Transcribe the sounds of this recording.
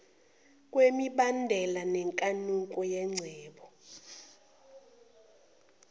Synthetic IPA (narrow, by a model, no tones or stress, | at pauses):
k̬ʼwemiɓandʱɛlanɛŋkʼanuŋkʼɔjɛŋ͡ǀʱɛːɓɔ